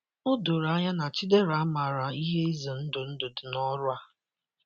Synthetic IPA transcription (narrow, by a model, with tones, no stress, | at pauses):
ʊ˦dʊ˨ɾa˦ɲa˦na˨t͡ʃi˦de˦ɾa˨˦ma˨ɾa˨i˦ɦe˦i˦zi˨n̩˦dʊ˨n̩˦dʊ˨dʊ˨nɔ˦ɾʊ˦a˦